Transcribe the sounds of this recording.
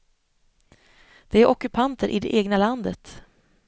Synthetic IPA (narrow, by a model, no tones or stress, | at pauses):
d̪̥ɛæɾʔɔkɵpʰant̪ʰəɾʔɪd̪ɛ̰ʔeːɡnaland̪ət̪